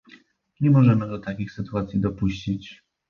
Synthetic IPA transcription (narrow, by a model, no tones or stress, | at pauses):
ɲɛmɔʐɛmɘɡ̪ɔt̪akʲixsɘt̪uat̪sʲid̪ɔpuɕt͡ɕit͡ɕ